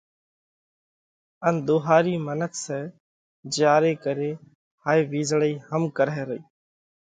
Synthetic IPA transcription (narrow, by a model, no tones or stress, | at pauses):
ənd̪oːɦaːɾiːmənəkʰsɛː | d͡ʒjaːɾeːkəɾeː | haːiːʋiːzɽəiːhəmkəɾɛːɾəiː